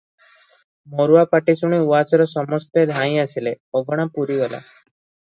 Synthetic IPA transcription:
moɾuapaʈisuɳ̃iuʋasɔɾɔsɔmɔst̪ed̪ʱãĩasile | ɔɡɔɽ̃apuɾiɡɔla̰

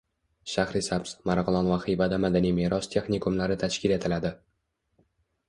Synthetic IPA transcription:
ʃahɾɪsabsmaɾʁlˠɒnvaqɨjbad̪amad̪anijmeɾɒst̪ʰe̞xnikʰumlaɾɪt̪ʰaʃkʲʰɪle̞t̪ʰɪlad̪ɪ

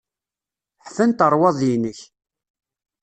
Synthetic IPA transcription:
ħfənt̪əɾˤwɑðˤjinəç

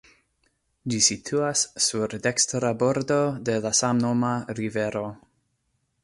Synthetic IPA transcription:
d͡ʒisitʰuasːuɾdekstɾabo̞ɾdo̞de̞lasamnomaɾive̞ɾo̞

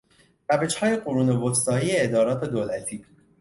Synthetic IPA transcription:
ɾæved͡ʒhɒːje̞ɢoɾuːnevost̪ɒːjiːjeed̪ɒːɾɒːt̪ʰed̪oːlæt̪ʰiː

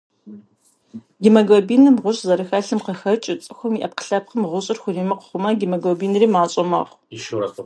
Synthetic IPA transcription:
ɡimɐɡobiːnɨmʁʷʊɕʼzɐɾɨxɐɬɨmqəxɐt͡ʃʼɪt͡sʼɨxʷʊmiʔɐp̚qə̥ɬɐp̚qəmʁʷʊɕʼɪrxʷʊriːmɐqə̥χʷʊmɐɡimɐɡobiːnriːmaːɕʼɐmɐ̰ʁ | ʃ

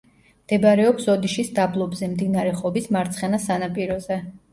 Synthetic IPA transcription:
md̪̥ɛbɾɛɔpsɔd̪iʃisd̪ablˠɔbzɛmd̪inaɾɛχɔbismaɾt̪sʰχɛnasanapʼiɾɔzɛ

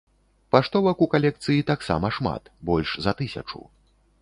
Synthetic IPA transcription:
paʂt̪ɔvɐkukalʲɛk̚t̪sɨjit̪aksa̰mɐʂma̰t̪bɔlʲʂzɐt̪ɨsʲɐ̰t͡ʂṵ

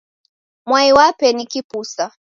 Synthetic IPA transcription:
mwaiwapɛnikipusa

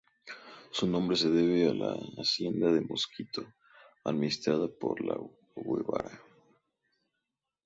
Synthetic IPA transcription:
sunõ̞mbɾeseðeβealaːsje̞nd̪aðemo̞skit̪o | aðminist̪ɾaðapo̰ɾla | wweβa̰ɾa

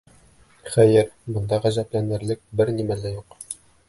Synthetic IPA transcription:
χæjɘɾbɤ̆nd̪ɑʁæzæplænɘ̆ɾlɘk̚bɘɾnimælæjuq

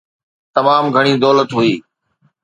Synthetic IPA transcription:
t̪ɐmaːmɡʱəɽ̃iːd̪ɔːlət̪ɦuiː

